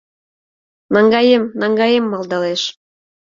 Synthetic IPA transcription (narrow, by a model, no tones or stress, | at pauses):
nɑŋɡɑjemnɑŋɡɑjemːɑld̪ɑleʃ